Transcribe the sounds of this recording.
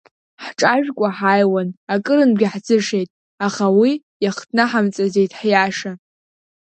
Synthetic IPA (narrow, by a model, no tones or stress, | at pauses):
ħʈ͡ʂʼaʒᶣkʷʼaħajwanakʼɨɾɨnɡʲaħd͡zɨʂe̞jtʼ | aχawi | jaχtʰnaħamt͡sʼazejtʼħjaʂa